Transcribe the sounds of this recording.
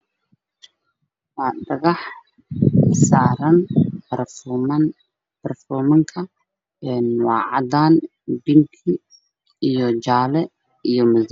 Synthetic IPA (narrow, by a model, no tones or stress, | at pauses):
wɑːɖɐɣɑħ | saːɾɐn | b̥ɐrfɔːmɐŋkʰɐ | ɛnwɑːʕɑ̰d̪aːn | bɪŋkʰi | ijɔd͡ʒaːlɛ | ijɔmʊz